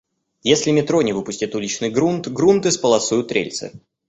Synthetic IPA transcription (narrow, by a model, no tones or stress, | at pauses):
jesʲlʲɪmʲɪt̪ɾonʲɪvɨpʊsʲtʲɪt̪ulʲɪt͡ɕnɨjɡɾunt̪ɡɾunt̪ɨspəlˠɐsujʊt̪ːɾʲḛlʲt̪sɨ̰